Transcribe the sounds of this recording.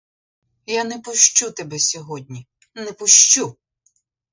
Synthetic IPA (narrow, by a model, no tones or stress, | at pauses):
janɛpʊʃt͡ʃut̪ebɛsʲɔɦɔdʲnʲi | nɛpʊʃt͡ʃu